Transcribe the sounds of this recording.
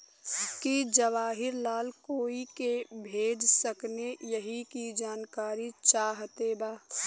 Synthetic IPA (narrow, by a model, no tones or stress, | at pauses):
kid͡ʒəʋaːɦɪɾlaːlkoːikebʱeːd͡ʒsəknejəɦikid͡ʒaːnkaːɾit͡ʃaːɦt̪ebaː